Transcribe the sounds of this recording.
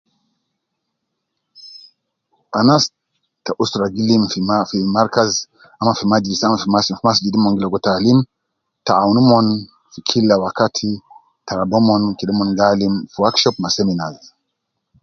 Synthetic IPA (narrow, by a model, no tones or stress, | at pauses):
ʔanas | taʔustɾaɡilimfifimaɾkaz | amafimad͡ʒidisamafimasfimasd͡ʒidimɔŋɡilɔɡɔtalim | taawnumɔn | fikʰilːawakatʰi | taɾabomɔnkilimɔnɡalimfiwakʃɔpmaseminaz